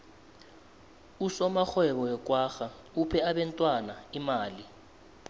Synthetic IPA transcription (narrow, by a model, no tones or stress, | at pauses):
usɔmaxɛɓɔɛk̬ʼwaːxa | upʰɛaɓɛntʼwanaimaːli